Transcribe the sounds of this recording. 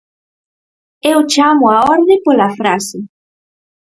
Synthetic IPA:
ewt͡ʃamʊaɔɾðepolafɾasɪ

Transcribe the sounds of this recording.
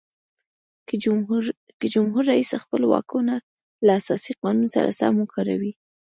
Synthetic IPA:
kəd͡ʒʊmɦuɾːaisaxpəlowɑ̰kuna | laːsɑsiqɑnunsa̰ɾa̰sa̰mukʰɑɾawi

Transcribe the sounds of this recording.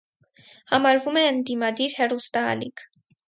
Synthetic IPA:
hɑmɑɾvumɛənd̪imɑd̪iɾhɛrust̪ɑ̰ːlikʰ

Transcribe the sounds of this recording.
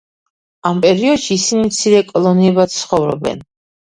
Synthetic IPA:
ampʼɛɾiɔd̪ʃiːsinimt̪sʰiɾɛkʼɔlˠɔniɛbat̪sχɔvɾɔ̰bɛ̰n

